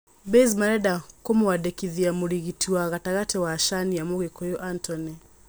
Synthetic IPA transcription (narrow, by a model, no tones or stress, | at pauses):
bɛzmaɾɛdakomowadɛkiðiamoɾiɣitʰiwaɣataɣatɛwaʃanijamoɣekɔjɔʔantɔnɛ